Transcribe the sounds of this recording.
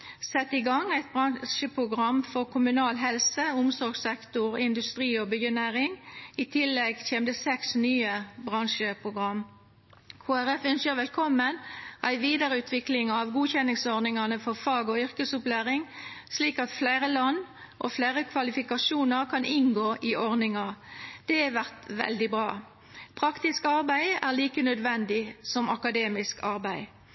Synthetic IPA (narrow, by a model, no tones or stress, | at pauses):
sɛt̪ːɪɡɑŋːæɪt̪̚bʁɑnʃəpʰʁʊɡʁɑmfɔʁkʰʊmʉnɑːlɦɛlsəʊmsɔʁɡsɛkt̪ʊʁɪnd̪ʉst̪ʁiːɔbʏənæːʁɪŋit̪ʰɪlːɛɡçeːmd̪əsɛksnyːəbʁɑŋʃəpʰʁʊɡʁɑm | kʰoːæʁɛfœnsjəʋɛlkʰɔmːənʔæɪʋiːd̪əʁəʉːt̪ʰʋɪklɪŋɑʋɡuːçɛnɪŋsɔʁnɪŋɑnəfɔʁfɑːɡɔʏʁkəsʊplæːʁɪŋsliːkɑt̪flæɪʁəlɑnː | ʔo̰flæɪʁəkʰʋɑlɪfɪkɑʃuːnəʁkʰɑnɪnɡoːʔɪʔɔʁnɪŋɑd̪̥ɛæʋæʁt̪ʋɛ̰ld̪ɪbʁɑː | pʰʁɑkt̪ɪskɑʁbæɪæʁliːkənœd̪ʋɛnd̪ɪsɔmɑkɑd̪eːmɪskɑʁbæɪ